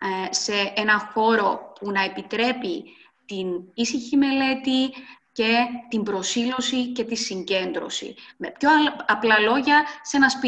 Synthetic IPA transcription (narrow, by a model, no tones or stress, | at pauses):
se̞enɐxo̞ɾo̞punɐe̞pit̪ɾe̞pi | t̪inisiçime̞le̞t̪ice̞t̪imbɾo̞silo̞sice̞t̪isiɲɟe̞nd̪ɾo̞̰sḭmepço̞ɐplɐlo̞ʝɐse̞nɐspi